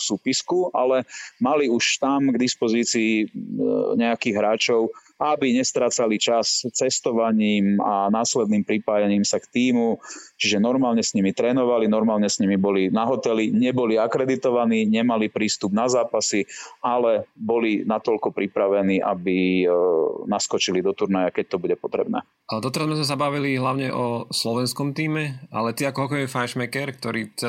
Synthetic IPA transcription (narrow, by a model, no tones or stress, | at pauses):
suːpiskuʔa̰lɛmaliuʃt̪amɡd̪ispɔziːt͡siː | ɲɛakiːɣɦɾaːt͡ʃɔʊ | abiɲɛst̪ɾaːt͡salit͡ʃast͡sɛst̪ɔʋaɲiːmanaːslɛd̪niːmpɾipaːjaɲiːmsakt̪iːmut͡ʃiʒɛnɔɾmaːlɲɛsɲimit̪ɾɛːnɔʋalinɔɾmaːlɲɛsɲimibɔlinaɦɔt̪ɛliɲɛbɔliakɾɛd̪it̪ɔʋaniːɲɛmalipɾiːst̪ubnazaːpasialɛbɔlinat̪ɔʎkɔpɾipɾaʋɛniːʔa̰bi | naskɔt͡ʃilid̪ɔt̪uɾnajakɛc̚t̪ɔbuɟɛpɔt̪ɾɛ̰bnɛ̰ː | d̪ɔt̪ɛɾazmɛzmɛs̬abaʋiliɦlaʊɲɛʔɔslɔʋɛnskɔmt̪iːmɛa̰lɛt̪iakɔɦɔkɔɛmifajʃmɛkɛɾk̚t̪ɔɾit͡sɛ